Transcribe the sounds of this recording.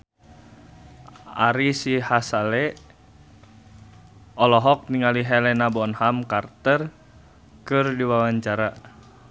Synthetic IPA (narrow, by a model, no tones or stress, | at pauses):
a̰ɾisihasalɛ | ɔlɔɦɔk̚niŋaliɦɛlɛnabɔnhamkart̪ər | kɨrdiwawaɲt͡ʃaɾa